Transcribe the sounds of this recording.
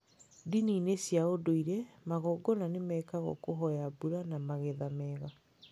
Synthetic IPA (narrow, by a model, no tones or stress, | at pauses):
diniːnesjaodoiɾɛmaɣɔɡɔnanemɛːkaɣɔ̰koɦɔjabuɾanamaɣɛðamɛɣa